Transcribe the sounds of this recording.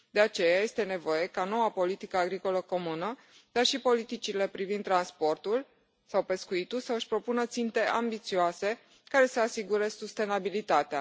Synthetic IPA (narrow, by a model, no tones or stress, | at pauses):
d̪e̞at͡ʃe̞jaje̞st̪e̞ne̞vo̞je̞kano̞wapo̞lit̪ikəaɡɾiko̞ləko̞munə | d̪̥arʃipo̞lit̪it͡ʃile̞pɾivind̪ːɾanspo̞rt̪ul | sawpe̞skuit̪ulsəɨʃʲpɾo̞punət̪sint̪e̞ʔambit̪sioase̞ | kaɾe̞səasiɡuɾe̞sust̪e̞nabilit̪at̪ea̰